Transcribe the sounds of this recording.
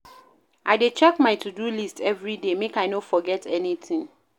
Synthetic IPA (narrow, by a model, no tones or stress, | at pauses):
ʔaɪdet͡ʃɛkmaɪtʰudulistʰɛvɹidemekaɪnofɔɡɛtʰɛniθĩŋ